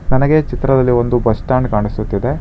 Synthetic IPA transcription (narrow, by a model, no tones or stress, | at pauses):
nɐnɐɡe̞t͡ʃit̪ɾɐd̪ɐlːio̞nd̪ubɐsʈaːɳɖkaːɳisut̪ːid̪e̞